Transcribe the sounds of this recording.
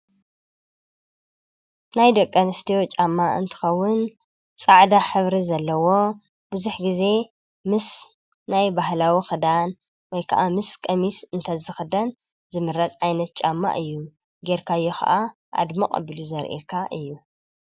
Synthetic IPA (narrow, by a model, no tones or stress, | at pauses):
najd̪ɐkʼːɐnɨst̪ʰijot͡ʃʼamːaʔɨ̰nt̪ʰɨ̥xɐwːʊn | t͡sʼaʕd̪aħɨβɾizɐlːɐwo̞ | b̥ɨzuħɡize̞ | mɨs | najbahlawixɨd̪an | wɔjkʰɐ̰ʔamɨskʼɐmisɨnt̪ʰɐzɨxɨd̪ɐn | zɨmɨɾɐt͡sʼʕajnɐt̪̚t͡ʃʼamːa̰ʔɨjːu | ɡeɾkʰajːuxɐ̰ʔa | ʔa̰d̪mɐqʼɐ̰bɨluzɐɾʔḛkʰaʔɨjːu